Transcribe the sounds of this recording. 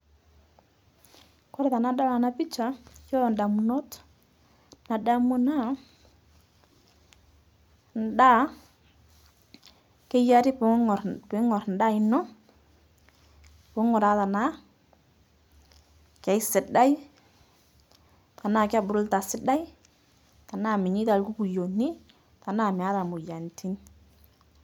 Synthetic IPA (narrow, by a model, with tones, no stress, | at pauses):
kɔ˦ɾɛ˦ta˨na˨da˦la˨na˨pi˦t͡ʃa˨jɔ˦˨n˨da˨mu˨nɔ˦t | na˨da˦mu˦na˦ | n˨da˦ | ke˦ja˦ɾi˦pɾpɪ˨˦ŋɔ˨ɾn˨da˦ɪ˨nɔ˦ | po˨˦ŋo˨ɾa˦ta˨na˦ | ka˨i˦sɪ˨da˦j | ta˨na˦˨ka˦bʊ˨ɾu˦lta˨sɪ˦da˦j | ta˨na˦˨mi˨ɲi˦ta˨lku˦ku˨jo˨nːi˦ | ta˨na˦˨mi˨a˦ta˨mu˨ja˨nti˦n